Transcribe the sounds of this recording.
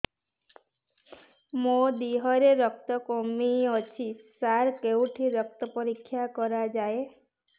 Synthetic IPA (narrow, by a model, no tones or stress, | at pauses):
mod̪iɦɔɾeɾɔk̚t̪ɔkomiɔt͡ʃʰisaɾkewʈʰiɾɔk̚t̪ɔpɔɾikʰːjakɔɾad͡ʒae